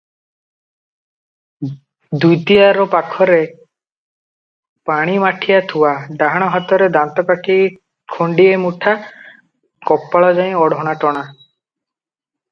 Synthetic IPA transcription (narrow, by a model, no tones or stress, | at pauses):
d̪ujt̪ijaɾɔpakʰɔɾe | paɽ̃imaʈʰijat̪ʰuwaɖaɦaɽ̃ɔɦat̪ɔɾed̪ant̪ɔkaʈʰi | kʰoɳɖiemuʈʰa | kɔpːaɭɔd͡ʒaj̃ɔɽʱɔɽ̃aʈɔɽ̃a